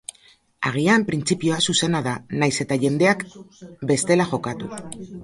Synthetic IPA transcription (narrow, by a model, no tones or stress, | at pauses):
a̰ɣ̞iampɾint͡sipio̞asuse̞naðanajse̞t̪aʝe̞nd̪e̞akbe̞st̪e̞laʝo̞kat̪u